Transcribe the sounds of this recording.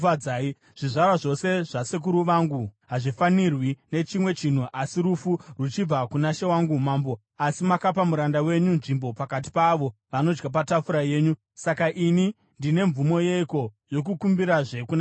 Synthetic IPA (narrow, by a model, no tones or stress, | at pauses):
aaːi | ʐ̥iʐarwaʐo̞se̞ʐ̥asek̬uɾuʋaŋɡuɦaʐifanirwine̞t͡ʃimwe̞t͡ʃin̤uʔasiɾufurut͡ʃib͡vakunaʃe̞waŋɡumambo̞ | asimakapamuɾandawe̞ɲunʐimbo̞pakat̬i̥paʋo̞ʋano̞d͡ʒɡap̬atafuɾaje̞ːɲu | sakaʔini | ndine̞ɱvumo̞je̞iko̞jo̞kukumbiɾaʐe̞kuna